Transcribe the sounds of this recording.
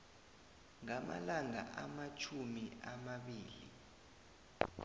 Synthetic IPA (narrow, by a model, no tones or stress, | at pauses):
ŋama̰laŋa̰ʔamat͡ʃʰumiʔamaɓiːlḭ